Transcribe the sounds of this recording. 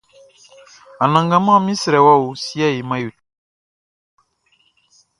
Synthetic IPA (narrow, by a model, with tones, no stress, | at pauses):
a˨nã˨ŋɡa˦mã˦˨mĩ˦sɾɛ˨wa˦wu˨si˦a˦˨ji˨ma˦ju˨t